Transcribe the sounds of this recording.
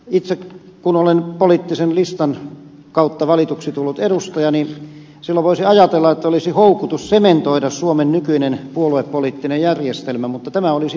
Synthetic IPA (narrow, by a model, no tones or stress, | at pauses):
it̪sek | kunolenpoliːˑt̪ːisenlist̪ɑn | kɑut̪ːɑʋɑlit̪uksit̪ulːut̪edust̪ɑjɑni | silːæʋoisiɑjɑt̪elːɑet̪ːæolisihoukut̪ussement̪oidɑssuomennykynenpuolueppoliːˑt̪ːinejjærjest̪elmæmut̪ːɑt̪æmæolisi